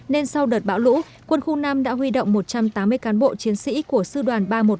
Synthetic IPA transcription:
ne˧nsa˧wɗəː˨˩t̚ɓa̰˧˥wlṵ˧˥ | kwə˧nxʊ˧ŋ͡mnaː˧mɗa̰ː˧˥ɦwi˧ɗo̰˧˨wŋ͡mmo˨˩t̚t͡ɕa˧mt̪aː˨˦mːɨ˧əjkaː˨˦nɓo̰˧˨t͡ɕi˨˦ənsḭ˧˥ku˧˩əsɨ˧ɗwaː˨˩nɓaː˧mo˨˩t̚

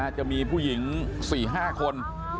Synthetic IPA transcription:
a˥˩t͡ɕa˨˩miː˧pʰuː˥˩ji˩˦ŋsiː˨˩ɦaː˥˩kʰo˧n

